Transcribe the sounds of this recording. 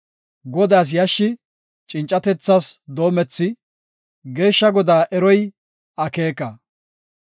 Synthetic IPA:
ɡɔd̪aːs̬jɐʃːɪ | t͡ʃʼɪnt͡ʃʼːɐt̪ɛt͡sːasd̪o̞ːmɛt͡sːɪ | ɡe̞ːʃːɐɡɔd̪aːʔɛɾɔj | ɐke̞ːkɐ

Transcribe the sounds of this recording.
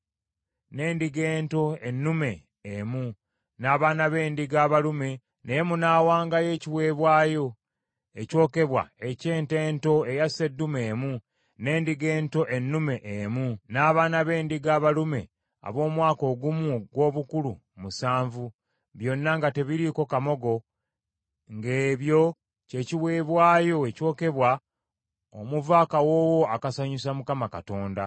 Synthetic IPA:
ne̞ːndiɡe̞ːnto̞e̞nːume̞ː | mu | naːβaːnaβe̞ːndiɡaːβalume̞ | nejemunaːwaːŋɡaje̞ːciwe̞ːβwaːjo̞ | eco̞ːke̞βwa̰e̞ce̞ːnte̞ːnto̞e̞jasedːume̞ːmu | ne̞ːndiɡe̞ːnto̞ʔe̞nːume̞ʔemunaːβaːnaβe̞ːndiɡaːβalume̞̰ | a̰βo̞ːmwaːko̞ːɡumuɡwo̞ːβukulu | musaːɱvu | βjo̞nːaŋɡate̞βiɾiko̞kamo̞ɡo | ŋɡeːβjo̞ | ce̞ciwe̞ːβwaːjo̞eco̞ːke̞βwa | omuvakawo̞ːwo̞akasaɲusamukamakato̞ːnda

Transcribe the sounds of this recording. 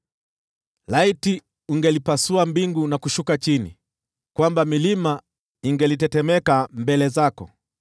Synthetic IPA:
laiti | uŋɡɛlipasuambiŋɡunakuʃukat͡ʃinḭ | kwambamilima | iŋɡɛlitɛtɛmɛkambɛlɛzakɔ̰

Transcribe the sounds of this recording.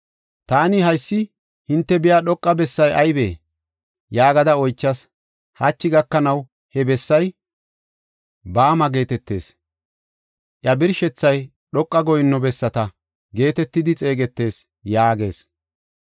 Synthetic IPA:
t̪aːnɪhɐjsːɪ | hɪnt̪ːɛbɪjaːɗɔkʼːɐbɛsːɐjɐjbeː | jaːɡɐd̪ɐɔjt͡ʃːɐs | hat͡ʃːɪɡɐkːɐnɐw | hɛbɛsːɐj | baːmɐɡe̞ːt̪ɛt̪ːe̞̰ːs | ʔjɐbɪɾʃɛt͡sːɐj | ɗɔkʼːɐɡɔjɪnːɔbɛsːɐt̪ɐ | ɡe̞ːt̪ɛt̪ːɪd̪ɪt͡sʼe̞ːɡɛt̪ːe̞ːs | jaːɡe̞̰ːs

